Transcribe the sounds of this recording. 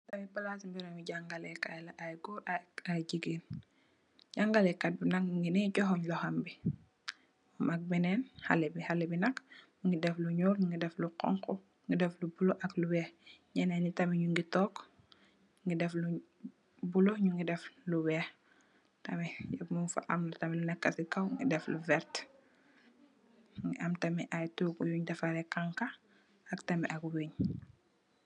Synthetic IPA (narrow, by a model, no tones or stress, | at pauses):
tamipalasmbiɾoɲuɟaŋɡalɛkajlaʔajɡɔaaɟiɡiːn | ɟaŋɡalɛkːat̚bunakɲuŋɡiniɟɔɦɔɲlɔhambi | mak̚mɛnɛnha̰lebihalɛbinɐkɲuŋɡidɛfluɲɔːlŋɡidɛfluqɔ̰ŋkɔ | ŋɡidɛflubuloʔakluwɛːxɲɛnɛnitɐmɛɲuŋɡitɔk | ŋɡidɛflu | bulɔɲuŋɡidɛfluwɛːx | tɐmɛɛmufɐ̰ʔɐ̰mlutɐmɛlunɛkːɐsikɐwŋɡḭdɛfluvɛɾt | ŋɡiʔɐmtɐmɛʔajtuːɡujuɲdɛfɐɾɛkaŋkɐ | ɐktɐmɛʔɐkweɲ